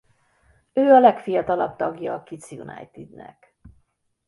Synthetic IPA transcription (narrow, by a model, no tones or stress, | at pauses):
øːɒlɛkfijɒt̪ɒlɒb̚t̪ɒɡjɒːkit̪sjunɒ̰jt̪id̪nɛ̰k